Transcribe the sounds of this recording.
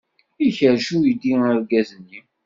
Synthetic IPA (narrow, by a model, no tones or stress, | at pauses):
içəɾʃujid̪iəɾɡæzənːi